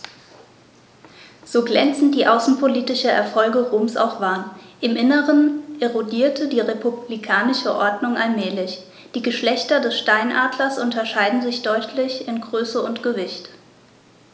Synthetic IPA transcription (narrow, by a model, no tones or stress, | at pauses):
z̥oːɡlɛnt͡sn̩t̚d̥iːʔaʊsn̩pʰoliːtɪʃɐɛ̰ɐfɔlɡəʁoːmsa̰ʊxv̥aɐnʔɪmʔɪnəʁənʔeʁodiːɐtʰədiːʁepublikʰaːnɪʃəʔɔɐdnʊŋʔalmɛːlɪç | d̥iːɡəʃlɛçtɐdɛsʃtaɪnʔaːdlɐsʔʊntɐʃaɪdn̩zɪçd̥ɔʏtʰlɪçɪnɡʁøːsəʊntɡ̥əvɪçt